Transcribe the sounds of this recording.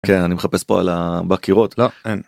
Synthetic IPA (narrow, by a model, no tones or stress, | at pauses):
kenanimeχapespo̞a̰labakiʁot̪loen